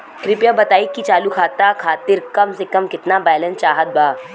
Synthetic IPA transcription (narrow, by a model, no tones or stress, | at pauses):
kɾɪpjabɐt̪aːikit͡ʃaːlukʰaːt̪akʰaːt̪ɪɾkɐmsekɐmkɪt̪nabaːɪlə̃nt͡ʃaːɦət̪̚baː